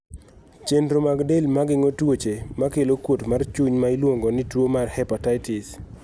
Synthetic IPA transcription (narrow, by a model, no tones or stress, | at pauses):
t͡ʃendɾomaɡdelmaɡɪŋotwot͡ʃemakelokwotmart͡ʃuɲmailwoŋɡonɪtwomarhɛpataɪtɪs